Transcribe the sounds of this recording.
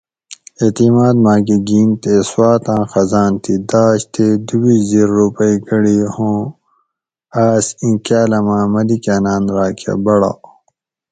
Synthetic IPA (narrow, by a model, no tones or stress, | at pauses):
et̪imaːd̪mãːɡiɡiːnt̪eswaːt̪ãːxɐzaːnt̪ʰid̪aːɕt̪ʰed̪ubiziɾːupɐiɡɐɽiːhõː | aːsĩkaːlɐmãːmɐlikanãːnɾaːkʰa̰bɐɽa̰ː